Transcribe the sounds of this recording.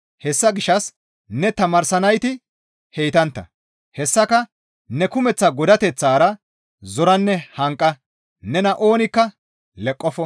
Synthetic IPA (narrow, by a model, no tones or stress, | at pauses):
hɛsːɐɡɪʃːɐs | nɛt̪ɐmɐɾsɐnɐjt̪ɪ | hejt̪ɐnt̪ːɐ̰ | hɛsːɐkɐ | nɛkʊmɛt͡sːɐɡɔd̪ɐt̪ɛt͡sːaːɾɐ | zɔɾɐnːɛhɐŋkʼːɐ | nɛnɐʔo̞ːnɪkːɐ | lɛkʼːɔfɔ